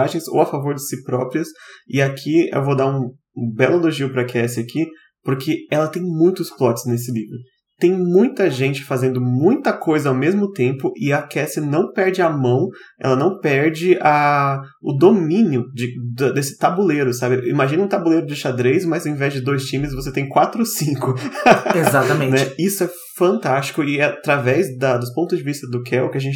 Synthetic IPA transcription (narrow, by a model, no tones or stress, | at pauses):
aʒẽj̃zo̰wafavoɾd͡ʒɪsɪpɾɔpɾiɐsɪakʰiḛwvod̪aũ | bɛlʊɐloʒiʊpɾɐkʰɛsɪakʰi | poɾkʰɪɛlɐt̪ẽj̃mũj̃t̪ʊsflɔt͡ʃɪ̥znes̬ɪlivɾʊ | t̪ẽj̃mũj̃t̪ɐʒẽnt͡ʃɪ̥fazẽnd̪ʊmũj̃t̪ɐkojzɐawmezmʊt̪ẽmpʊʔɪɐkɛsɪnɐ̃w̃pɛɾd͡ʒɪɐmɐ̃w̃ | ɛ̰lɐnɐ̃w̃pɛɾd͡ʒɪɐ | ʊd̪omĩniʊd͡ʒɪd̪ɐd̪esɪ̥t̪abuleɾʊsabɪḭmaʒĩnɐ̃ʊ̃t̪abuleɾʊd͡ʒɪʃad̪ɾejzmɐzɐ̃ẽvɛzd͡ʒɪd̪ojst͡ʃĩmɪsvos̬et̪ẽj̃kwat̪ɾʊosĩŋkʊezat̪ɐmẽnɛisʊɛ | fɐ̃nt̪ast͡ʃɪ̥kʊɪat̪ɾavɛzd̪ɐd̪ʊspõt̪ʊzd͡ʒɪvist̪ɐd̪ʊkʰɛwʊkɪaʒẽnt͡ʃ